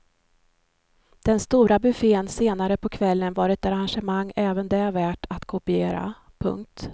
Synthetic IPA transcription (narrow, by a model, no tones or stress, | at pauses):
d̪̥ɛnst̪uːɾabɵfeːnseːnaɾəpʰɔkʰvɛlːənvaːɾɛt̪aɾanʂəmaŋːɛːvənd̪ɛːvæːʈʰat̪kʰʊpɪeːɾa̰ | pʰɵ̰ŋk̚t̪